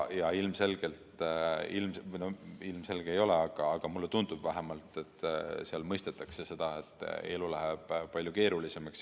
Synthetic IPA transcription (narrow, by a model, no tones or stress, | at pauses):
jɑilmse̞lɡ̥e̞lt̪ilmnoilmse̞lɡ̥eejo̞le̞ɑɡ̥ɑːɡ̥ɑmulːet̪und̪̥ub̥væɦe̞mɑlt̪ːˑe̞t̪ːseɑlmɤjst̪et̪ːˑɑkse̞se̞d̪̥ɑe̞t̪ːˑe̞̰lulæɦeb̥pɑlʲjuke̞ːɾulise̞mɑks